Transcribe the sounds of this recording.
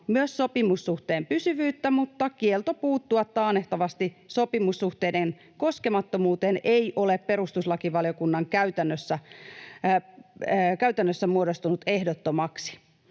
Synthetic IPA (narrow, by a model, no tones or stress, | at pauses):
myøsso̞pimusːuht̪eːmpysyʋyːt̪ːæmut̪ːɑkielt̪opuːt̪ːuɑt̪ːɑːneht̪ɑʋɑst̪iso̞pimusːuxt̪eːden | koskemɑt̪ːomuːt̪eːneiʔo̞leppe̞ɾust̪uslɑkiʋɑljokunːɑŋkæyt̪ænːøsːæ | kæyt̪ænːøsːæmuodost̪unut̪ehdot̪ːomɑksi̥